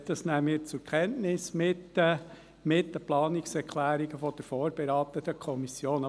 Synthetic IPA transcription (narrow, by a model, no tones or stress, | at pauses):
d̥̪ɑsnæmɪːɾt͡sʊɾkʰɛntnɪsmɪt | mɪtdəplɑːnɪksɛɾkʰlæːɾiɡəfɔd̪̥əɾfoːɾb̥eɾɑːt̪ət̪əkʰɔmisjoːn